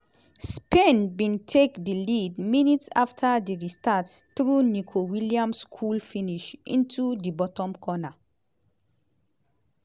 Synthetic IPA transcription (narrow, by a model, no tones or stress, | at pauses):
spẽnbĩntʰekdilidminitsaftʰadeɹistatθɹunikʰowiliãmskʰulfiniʃḭ̃ntʰudibɔtɔ̃mkʰɔna